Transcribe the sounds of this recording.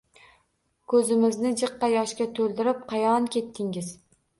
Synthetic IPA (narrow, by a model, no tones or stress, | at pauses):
kʰɵzɪmɪznɪd͡ʒɨqːɑjɒʃkʲat̪ʰɵlˠd̪ɪɾɪp̚qʰɑjɒnkʲe̞t̪ʰːɪŋɪz